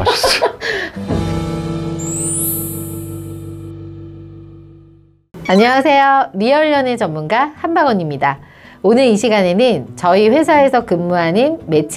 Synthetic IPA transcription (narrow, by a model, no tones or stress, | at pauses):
aɲʌŋasʰe̞joɾiʌɭːʌne̞t͡ɕʌmmunɡahanbaɡʌɲimɲida | onɯɾiɕʰiɡane̞nɯnt͡ɕʌiɸwe̞sʰae̞sʰʌkɯmːuɦanɯnme̞t͡ɕʰ